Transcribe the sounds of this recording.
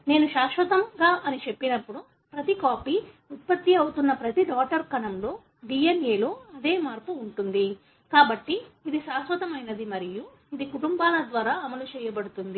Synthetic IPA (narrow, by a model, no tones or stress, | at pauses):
ne̞ːnuʃaːʃʋɐt̪ɐmɡaːʔɐnit͡ʃe̞pːinɐpːuɽu | pɾɐt̪ikaːpi | ut̪̚pɐt̪ːiɐwut̪unːɐpɾɐt̪iɖaːʈɐɾkɐnɐmlo̞ː | ɖiːeneːloːɐd̪e̞ːmaːɾpuːɳʈund̪i | kaːbɐʈːiːd̪iʃaːsʋɐt̪ɐmɐjnɐd̪imɐɾiju | id̪ikuʈumbaːlɐd̪ʋaːɾaːɐmɐlut͡ʃɛːjɐbɐɽut̪und̪i